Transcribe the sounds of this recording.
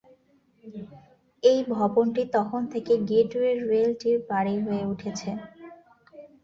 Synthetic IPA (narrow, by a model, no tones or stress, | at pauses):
ejbʱɔbonʈit̪ɔkʰont̪ʰekeɡeʈueɾɾelʈiɾpaɽiɦoeuʈʰet͡ɕʰe